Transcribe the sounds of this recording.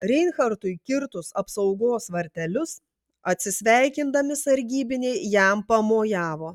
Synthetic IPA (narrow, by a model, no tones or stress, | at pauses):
ɾʲɛɪnxɐɾt̪ʊɪkʲɪɾt̪ʊsɐpsɐʊɡoːsʋɐɾʲt̪ʲɛlʲʊs | ɐt̪ʲsʲɪsʲʋʲæˑɪkʲɪnd̪ɐmʲɪsɐɾʲɡʲiːbʲɪnʲɛɪjæmpɐmoːjæːʋoː